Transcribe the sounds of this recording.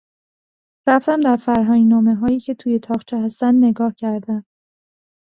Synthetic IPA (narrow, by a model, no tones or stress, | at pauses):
ɾæft̪æmd̪æɾfæɾɦɒːŋnɒːme̞ɦɒːjiːcʰe̞t̪ʰuːje̞t̪ʰɒːχt͡ʃʰehæst̪ænd̪ne̞ɡɒːhcʰæɾd̪æm